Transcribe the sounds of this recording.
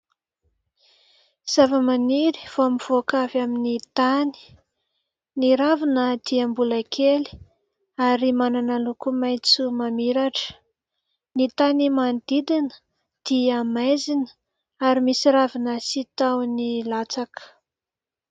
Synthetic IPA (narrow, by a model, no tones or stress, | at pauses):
z̥avəmaniɾi̥v̥oamiv̥okavaminit̪ani̥ | niɾavinəd̪iəmbulakʰeli̥ | aɾimananalukumajt͡sumamiɾaʈ͡ʂə̥ | nit̪animand̪id̪inə̥ | d̪̥iamajzinə̥ | aɾimisiɾavinəsit̪awnilat͡sakə̥